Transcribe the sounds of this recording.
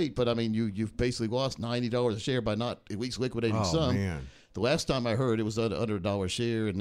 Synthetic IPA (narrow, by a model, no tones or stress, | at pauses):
ɪt̚b̥ʌɾaɪmĩnjɨjɨvbeɪsɪ̥kliwɔstⁿnãɪ̃nidɔlˠə˞zʃɛɹbaɪnəɾ̚ɨwikslɪkwəɾeɪ̃nsʌ̃m | ðəlæstʰãɪ̃maɪɦɜ˞ɾɨt̚wʌzʌʌ̰̃ndɹɨdɔlˠə˞z̥ʃɛɹɨ̃n